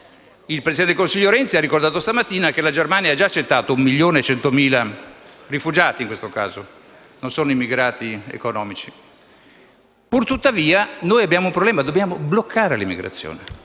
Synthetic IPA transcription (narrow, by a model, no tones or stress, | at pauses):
ilpɾesid̪ɛnt̪elkonsiʎːoɾɛnt̪siarːikord̪aːt̪ost̪amat̪ːiːnak̟elad͡ʒermaːnjaad͡ʒaːt͡ʃːet̪ːaːt̪oumːiʎːoːnet͡ʃɛnt̪omiːlarifud͡ʒaːt̪iŋkwest̪oka̰ːzo | nonsoːnoimːiɡɾaːt̪iḛkonɔːmit͡ʃi | purt̪ut̪ːaviːanoːjabjaːmoumpɾoblɛːmad̪objaːmoblokʰːaːɾelimːḭɡɾa̰t̪sːjo̰ːne